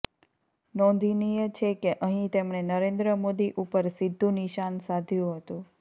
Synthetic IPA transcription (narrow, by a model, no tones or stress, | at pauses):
nɔ̃nd̪ʱinijət͡ʃʰekeʔəɦĩt̪emɳenəɾẽnd̪ɾəmod̪iʔupəɾsid̪ʱːũniʃansad̪ʱjũɦət̪ũ